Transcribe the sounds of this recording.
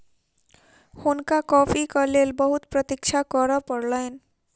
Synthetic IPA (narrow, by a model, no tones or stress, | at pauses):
hunkakɔpʰikʌlelbʌɦut̪pɾʌt̪ik̚t͡ʃʰakʌɾʌpʌɾlʌjn